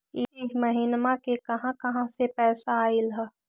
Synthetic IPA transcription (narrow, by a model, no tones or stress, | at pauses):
iɦmɐɦɪnmãkekɐɦãkɐɦãsepɛːsaːɪlɦɛ